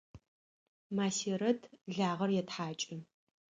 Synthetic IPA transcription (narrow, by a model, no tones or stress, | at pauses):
maːsiːɾɐtʰɮaːʁɐrjɛtħaːt͡ʃʼɪn